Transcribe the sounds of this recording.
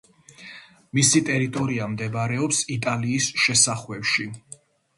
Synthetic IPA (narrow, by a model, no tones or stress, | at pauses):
misit̪ʼɛɾit̪ʼɔɾiamd̪ɛbaɾɛɔpsit̪ʼaliːsʃɛsaχwɛpʃi